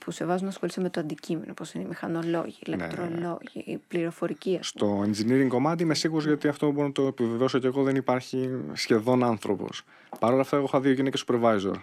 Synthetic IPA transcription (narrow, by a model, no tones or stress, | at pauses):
puse̞vɐzunɐsxolismet̪oɐnd̪icimenopo̞sineimixɐno̞lo̞̰ʝilet̪ɾoloʝḭpliɾo̞fo̞ɾiciɐstt̪o̞enziniɾiŋko̞mɐt̪̬iimesiɣuɾozʝɐt̪iɐft̪oubo̞ɾonɐt̪oepiveðosoceɣo̞ðenipɐɾçisçe̞ðo̞nɐnθɾo̞̰po̞̰s | pɐɾo̞lɐft̪ɐeɣo̞xɐðioʝinecesu̥pɾevɐjzo̞̰ɾ